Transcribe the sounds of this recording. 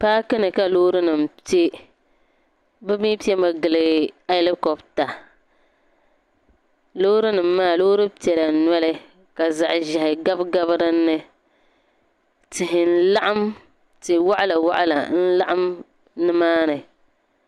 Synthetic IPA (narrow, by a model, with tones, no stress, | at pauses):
paː˦kɨ˦nɨ˨ka˨loː˦ɾɨ˦nɨ˨m˨te˦ | bɨ˦mi˦pi˦ɛ˦ma˨ɡɨ˨lɨ˨a˦lɪ˦kɔ˨bta˨ | loː˦ɾɨ˦nɨ˨mːaː˦˨lo˦ɾɨ˦pɛ˨la˨nwɛ˦lɨ˦ | ka˨za˨ʔʒɪ˨hɪ˨ɡa˦bɡa˦βɨ˦ɾɨ˦nːɨ˦ | tɪ˨ɦɪ˨n̩˦la˦ʔa˦m | tɪ˨wa˦ʔa˦la˨wa˦ʔa̰˦la̰˨n̩˦la˦ʔa˦m | nɨ˦maː˦nɨ˨